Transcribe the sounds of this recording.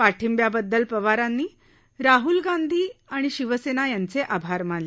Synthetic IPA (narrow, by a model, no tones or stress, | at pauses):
paʈʰimbjabəd̪ːəlpəʋaɾãnːiː | ɾaɦulɡand̪ʱiːaɽ̃iɕiʋəsenajant͡seʔabʱaɾmaɳle